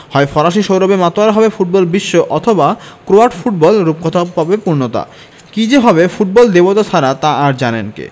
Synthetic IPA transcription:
hɔefɔɾaʃiʃowɾobemat̪oaɾɦɔbefuʈ̚bɔlbiʃːoʔɔt̪ʰobakɾoaʈfuʈ̚bɔlɾup̚kot̪ʰaɦɔbepuɾnot̪a̰ | kid͡ʑeɦɔbefuʈ̚bɔld̪ebot̪ot͡ɕʰaɾat̪aaɾd͡ʑanenkḛ

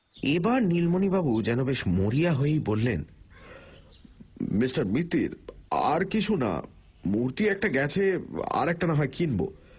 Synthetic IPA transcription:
ebaɾnilmonibabud͡ʑɛnobeʃmoɾiaɦoejbolːen | misʈaɾmit̪ːḭɾa̰ɾkit͡ɕʰuna̰ | muɾt̪iɛk̚ʈaɡɛt͡ɕʰea̰ɾɛk̚ʈanaɦaekʰinbo̰

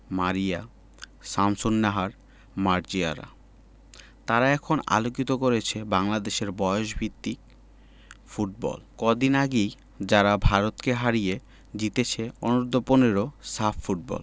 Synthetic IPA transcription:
maɾija | samsonːaɦaɾ | maɾd͡ʑia̰ɾa̰ | t̪aɾaɛkʰona̰lokit̪okoɾet͡ɕʰebaŋlad̪eʃeɾbɔeoʃbʱit̪ːik̚ | fuʈ̚bɔ̰lkɔd̪inaɡej | d͡ʑaɾabʱaɾot̪keɦaɾije | d͡ʑit̪et͡ɕʰeonoɾd̪ʱoponeɾosaffuʈ̚bɔ̰l

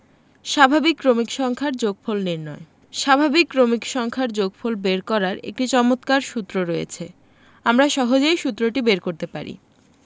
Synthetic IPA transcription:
ʃabʱabikːɾomikʃɔŋkʰaɾd͡ʑoɡfʰolniɾnɔe | ʃabʱabikːɾomikʃɔŋkʰaɾd͡ʑoɡ̚fʰolbeɾkɔɾaɾḛk̚ʈit͡ɕɔmot̪kaɾʃut̪ːɾoɾɔjḛt͡ɕʰe | amɾaʃɔɦod͡ʑejʃut̪ːɾoʈibeɾkoɾt̪epa̰ɾḭ

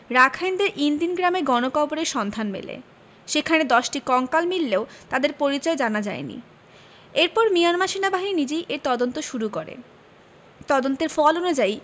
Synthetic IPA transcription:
ɾakʰajnd̪eɾʔind̪inɡɾameɡɔnokʰɔboɾeɾʃɔnd̪ʱanmḛlḛ | ʃekʰaned̪ɔʃʈikɔŋkalmilːeot̪ad̪eɾpoɾit͡ɕɔed͡ʑanad͡ʑa̰enḭ | eɾpɔɾmijanmaʃinabaɦinid͡ʑejʔeɾt̪ɔd̪ont̪oʃuɾukoɾḛ | t̪ɔd̪ont̪eɾfɔlonod͡ʑaj

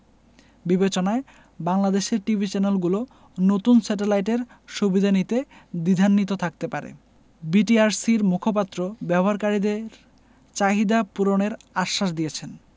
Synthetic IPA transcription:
bibet͡ɕonae | baŋlad̪eʃeɾʈibʱit͡ɕɛnelɡulo | not̪unsɛʈ̬elajʈeɾ | ʃubid̪ʱanit̪ed̪id̪ʱanːit̪ot̪ʰak̚t̪epaɾḛ | biʈiaɾsiɾmukʰop̬at̪ːɾobɛboɦaɾkaɾid̪eɾ | t͡ɕaɦid̪apuɾoneɾaʃːaʃd̪ijet͡ɕʰen

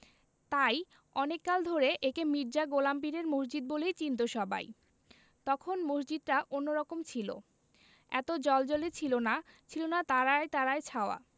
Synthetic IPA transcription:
t̪aj | ɔnekːald̪ʱoɾeʔekemiɾd͡ʑaɡolamp̬iɾeɾmosd͡ʑid̪̚bolejt͡ɕint̪oʃɔbʱa̰j | t̪ɔkʰonmosd͡ʑid̪̚ʈaʔonːoɾɔkomt͡ɕʰilo̰ | ɛ̰t̪od͡ʑɔld͡ʑɔlet͡ɕʰilona | t͡ɕʰilonat̪aɾaet̪aɾaet͡ɕʰaoa̰

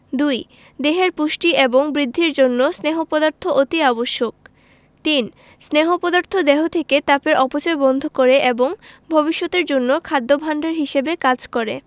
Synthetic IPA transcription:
d̪uj | d̪eɦeɾpuʃʈieboŋbɾid̪ʱːiɾd͡ʑonːosneɦopɔd̪aɾt̪ʰoʔot̪iaboʃːok̚ | t̪in | sneɦopɔd̪aɾt̪ʰod̪ɛɦot̪ʰeket̪apeɾʔɔpot͡ɕoebɔnd̪ʱokoɾeʔeboŋbʱobiʃːot̪eɾd͡ʑonːokʰad̪ːobʱaɳɖeɾɦiʃebekad͡ʑkɔɾḛ

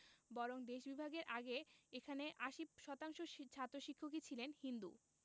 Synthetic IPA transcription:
bɔɾoŋd̪eʃbibʱaɡeɾʔaɡeekʰaneʔaʃip̚ʃɔt̪aŋʃot͡ɕʰat̪ːɾoʃikʰːok̬it͡ɕʰilenhind̪u

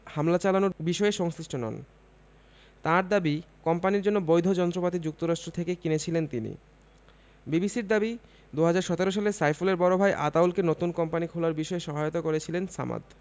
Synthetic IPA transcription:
hamlat͡ɕalanobiʃɔeʃɔŋsɾiʃʈonɔ̰n | t̪ãɾd̪abikɔmpaniɾd͡ʑonːobojd̪ʱod͡ʑɔnt̪ɾopat̪id͡ʑuk̚t̪oɾaʃʈɾot̪ʰekekinet͡ɕʰilent̪inḭ | bibisiɾd̪abi | d̪uɦad͡ʑaɾʃɔt̪eɾoʃ̬alesajfuleɾbɔɾobʱaeʔat̪awlkenot̪unkɔmpanikʰulaɾbiʃɔeʃɔɦajot̪okoɾet͡ɕʰilensa̰ma̰d̪

